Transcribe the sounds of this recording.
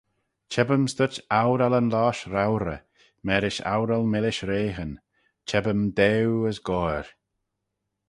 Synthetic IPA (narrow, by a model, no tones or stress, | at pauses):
t͡ʃʰɛbəmst̪ʊt͡ʃawɾalənlaːʃɾawɾə̰ | mɛɾɪʃa̰wɾalmɪlɪʃɾeːɦən | t͡ʃʰɛbəmd̪ɛwəsɡɔɹ